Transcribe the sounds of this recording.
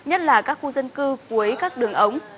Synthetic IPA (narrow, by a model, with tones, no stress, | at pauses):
ɲə˦˥t̚laː˨˩kaː˦˥k̚xu˧zə˧nkɨ˧ku˨˩˦əjkaː˦˥k̚ɗɨ˨˩əŋʔə˨˦wŋ͡m